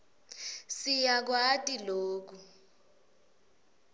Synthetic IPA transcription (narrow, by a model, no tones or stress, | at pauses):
sijak̬watʼiloːk̬u